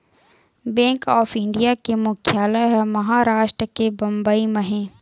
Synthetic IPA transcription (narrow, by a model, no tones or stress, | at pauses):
bɛ̃ːŋkɔːfɪ̃ɳɖijakemʊkʰjaːlaɦɛmɐɦaːɾaːʃʈɾəkebɐ̃mbəiməɦẽː